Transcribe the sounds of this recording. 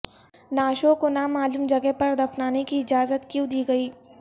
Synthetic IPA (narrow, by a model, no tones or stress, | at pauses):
naːʃokonamaːlumd͡ʒɐɡeɦpɐɾd̪ɐfnaːnekiɪd͡ʒaːzət̪kjũd̪iːɡɐiː